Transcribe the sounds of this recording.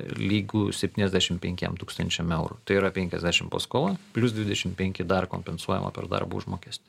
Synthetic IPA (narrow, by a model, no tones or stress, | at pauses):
lʲiːɡuːsʲɛpʲt̪ʲiːnɛzʲd̪ʲæʃʲɪmpʲɛŋʲkʲɛ̰mt̪uːkst̪ɐnʲt͡ʃʲɛmɛʊɾut̪ɐɪiɾɐpʲɛŋʲkʲɛzʲd̪ʲæːʃʲɪmpo̰ːskoːlˠɐpʲlʲʊs̬d̪ʲʋʲɪd̪ʲɛʃʲɪmpʲɛŋʲkʲɪd̪ɐrko̰ːmʲpʲɛnsuɔjɛ̰mʔɐ̰pʲɛ̰rd̪ɐ̰rbṵːʊʒmoːkʲiɛsʲt̪ʲɪ̥